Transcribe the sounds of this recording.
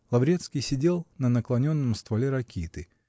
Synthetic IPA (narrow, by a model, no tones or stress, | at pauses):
lˠɐvɾʲet̪skʲɪjsʲɪdʲe̞lˠnənəklˠɐnʲo̞nːəmst̪vɐlʲeɾɐkʲʰit̪ɨ